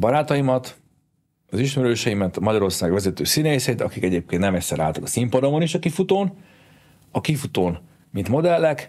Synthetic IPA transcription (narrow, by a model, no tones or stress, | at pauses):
bɒɾaːt̪ɒjimɒt̪ | ɒziʃmɛɾløːʃɛjimɛt̪mɒɟɒɾo̞rsaːɡʋɛzɛt̪øːsineːsɛit̪ɒ̰kikɛɟeːp̚keːnt̪nɛmɛcʲsɛɾa̰ːlt̪ɒkɒsimpɒd̪omoniʃɒkifut̪oːn | ɒkifut̪oːn | mint̪mo̞d̪ɛlːɛk